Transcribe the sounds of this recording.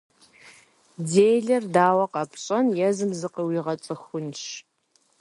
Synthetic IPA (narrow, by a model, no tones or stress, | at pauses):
d͡zeːjɮɐrdaːwɐqɑpʰɕʼɐnjɛzɨmzɨqəwiːʁɐt͡sʼɨxʷʊnʃ